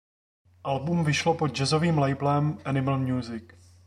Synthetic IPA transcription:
ʔalbumvɪʃlopod̪̚d͡ʒɛzo̞viːmlɛjblɛmʔɛnɪml̩mɲuːzɪk

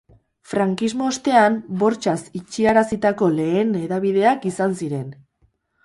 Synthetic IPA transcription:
fɾaŋkizmo̞ːst̪e̞ambo̞ɾt͡ʃasit͡ʃiaɾasit̪ako̞le̞ːne̞ðaβið̞e̞akisansiɾe̞n

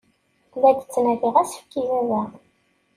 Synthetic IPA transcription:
læd̪ət͡sːnæθiʁæsə̥fkizæðæ

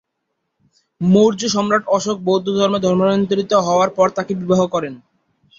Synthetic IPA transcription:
mowɾd͡ʑoʃɔmɾaʈɔʃok̚bowd̪ʱːod̪ʱɔɾmed̪ʱɔɾmonɔnt̪oɾit̪oɦɔoaɾpɔɾt̪akebibaɦokɔɾen

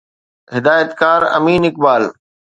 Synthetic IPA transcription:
ɦɪd̪aːjət̪kaːɾɐ̰miːnɪkbaːl

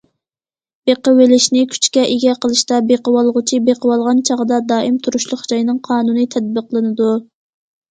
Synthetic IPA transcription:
beqəwelɪʃnɪkʲʰy̥t͡ʃkʲɛʔeɡʲɛqʰəlˠɨʃt̪ɑbeqəwɑlˠʁʊt͡ʃʰibeqʰəwɑlˠʁɑnt͡ʃʰɑʁəd̪ɑd̪ɑːʔɪmt̪ʰuɾuʃlˠʊχd͡ʒɑjnɨŋqʰɑːnunɨt̪ʰɛd̪̚bəqlˠɨnɨd̪u

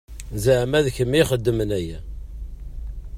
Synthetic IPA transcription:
zəʕmæðçəmːiχəd̪ːəmənæjæ

